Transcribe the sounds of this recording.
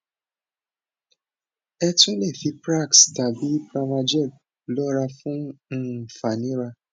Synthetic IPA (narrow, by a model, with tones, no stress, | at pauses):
ɛ˧tũ˦lɛ˦˨fi˨˧pɾa˦˨ksta˨bi˨˦pɾa˧ma˧d͡ʒɛ˦˨ | lɔ˦ɾa˧fũ˦˨ | fa˨nĩ˨˦ɾa˧